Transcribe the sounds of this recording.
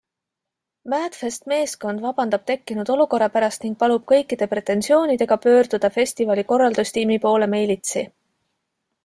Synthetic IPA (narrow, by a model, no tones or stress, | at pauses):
mæːt̪fest̪me̞ːsko̞nd̪vɑb̥ɑnd̪̥ɑb̥̚t̪e̞kːinud̪̥o̞luko̞rːɑpæɾɑst̪niŋɡ̥̚pɑlub̥̚kɤ̞jkːˑid̪̥e̞pɾe̞t̪ːˑe̞nsio̞ːnid̪e̞ɡ̥ɑpø̞ːrd̪̥ud̪̥ɑfe̞sʲt̪ivɑliko̞rːɑld̪usʲt̪imipo̞ːle̞me̞jlit̪si